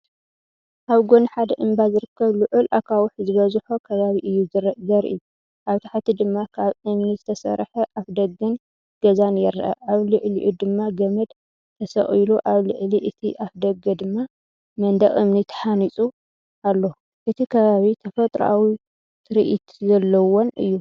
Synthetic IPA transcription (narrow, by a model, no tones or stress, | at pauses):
ʔaβɡo̞niħad̪ɐʔɨmbazɨɾɨkʰːɐβlɨʕulʔakʰawʊħzɨβɐzħokʰɐβaβiʔɨjːuzɨɾzɐɾʔɨ̰jːu | ʔaβt̪ʰḁħt̪ʰid̪ɨmːakʰaβɨmnizɨt̪ʰɐsɐ̰ɾħɐʔafd̪ɐɡɐn | ɡ̥ɐzanjɛɾːʔɐ̰aβlɨʕliʔud̪ɨmːaɡɐmɐd̪ | t̪ʰɐsɐ̰χʼiluʔaβlɨʕliʔɨt̪ʰiʔafd̪ɐɡɐd̪ɨmːa | mɐnd̪ɐχʼɨmnit̪ʰɐ̥ħanit͡sʼu | ʔalːo | ʔɨt̪ʰikʰɐβaβit̪ʰɐfɐt̪ʼɾa̰wi | t̪ʰɨɾḭʔit̪zɐlːɐwonɨ̰jːu